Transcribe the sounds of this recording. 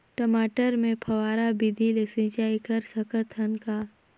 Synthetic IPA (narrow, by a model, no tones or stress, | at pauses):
ʈəmaːʈəɾmẽpʰɐwaːɾabid̪ʱilesĩd͡ʒaːikɐɾsɐkət̪ʰɐnkaː